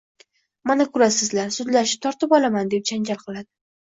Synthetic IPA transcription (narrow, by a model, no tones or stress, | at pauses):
manakʰʊɾasɪzlaɾsʊd̪laʃɪ̥t̪ʰɒɾt̪ʰɪpɒlamand̪e̞p̚t͡ʃʰand͡ʒʲalˠqʰɨlˠad̪ɪ